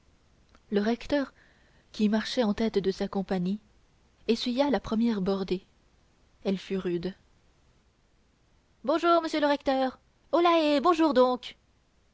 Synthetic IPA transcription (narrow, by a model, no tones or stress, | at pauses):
ləʁɛkt̪œʁ | kʲimaʁʃɛɑ̃t̪ɛt̪d̪əsakɔ̃paɲi | esɥijalapχəmjɛʁbɔʁd̪e | ɛlfyʁyd̪ | bɔ̃ʒuːʁməsjøləʁɛkt̪œːʁ | olaebɔ̃ʒuʁd̪ɔ̃ːk